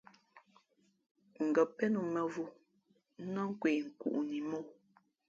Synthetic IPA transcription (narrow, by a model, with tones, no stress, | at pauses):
ŋ̩˨ɡə˨pɛ˦nu˨mɛ˨vu˦˨˦ | nɔ˦ŋ̩˦kwe˨ŋ̩˨kṵ˨ʔni˨mo˦˨